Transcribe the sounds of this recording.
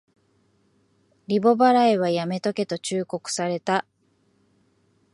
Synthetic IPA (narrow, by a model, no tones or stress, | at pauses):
ɾʲibo̞baɾaiβajame̞t̪o̞ke̞t̪o̞t͡ɕɨːko̞kɯ̟̥saɾe̞t̪a